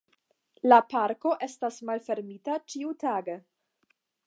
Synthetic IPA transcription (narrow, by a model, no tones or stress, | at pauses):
lapaɾko̞ʔe̞stasmalfe̞ɾmitat͡ʃiutaːɡe